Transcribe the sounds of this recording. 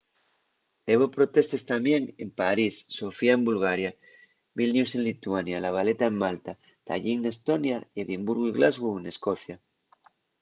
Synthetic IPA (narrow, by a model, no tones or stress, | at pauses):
eβopɾo̞t̪e̞st̪e̞st̪amje̞ŋe̞̰mpaɾisːo̞fiaembulɣ̞aɾja | βilnjusenlit̪uanjalaβ̞ale̞t̪aemmalt̪a | t̪a̰ʎiŋne̞st̪o̞njaeðimbuɾɣuiɣlazɣuene̞sko̞θja